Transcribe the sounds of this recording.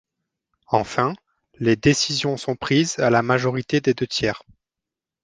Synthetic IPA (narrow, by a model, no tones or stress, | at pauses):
ɑ̃fɛ̃ | led̪esizjɔ̃sɔ̃pχizalamaʒɔʁit̪ed̪ed̪øt̪jɛːʁ